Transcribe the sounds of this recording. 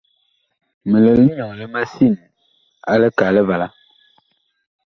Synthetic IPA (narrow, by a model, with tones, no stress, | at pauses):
mə˨lə˨li˦ɲɔ˨ŋ˨lə˦ma˦si˦˨n˨ | a˦lə˦ka˨lə˦va˨la˦